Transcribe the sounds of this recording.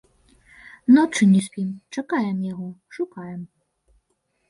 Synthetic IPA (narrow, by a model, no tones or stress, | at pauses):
nɔt͡ʂɨnʲɛsʲpʲimt͡ʂakajɛmjaɣɔʂukajɛm